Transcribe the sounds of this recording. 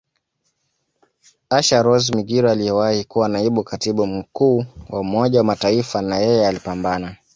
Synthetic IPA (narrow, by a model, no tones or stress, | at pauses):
aʃaɾɔzmiɡiɾɔalijɛwahikuwanaiɓukatiɓum̩kuːwaumɔʄawamataifanajɛjɛalipambana